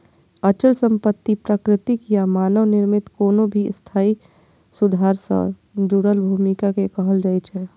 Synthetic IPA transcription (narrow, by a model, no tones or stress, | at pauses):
ət͡ʃəlsə̃mpət̪ːipɾəkɾɪt̪ikijamaːnəʋnɪɾmɪt̪koːnobʱist̪ʰaːi | sʊd̪ʱaːɾsə̰̃ | ɾuːɾəlbʱuːmikakekəɦəld͡ʒaːɪt͡ʃʰɛː